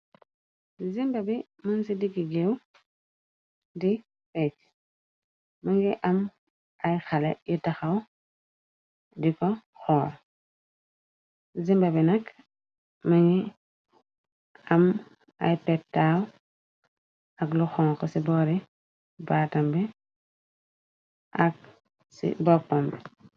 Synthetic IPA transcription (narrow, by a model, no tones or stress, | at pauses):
zimbɐbi | mansidiɡiɡew | di | pec | maŋɡiʔam | ʔajxalḛjitaxaw | dikɔ | xɔːɾ | zimbɐbinɐk | mɐŋɡi | am | a̰jpɛtːaːw | akluxɔŋkɔsibɔːɾi | baːtɐmbɛ | ʔak̚ | sḭbɔpɔmbɛ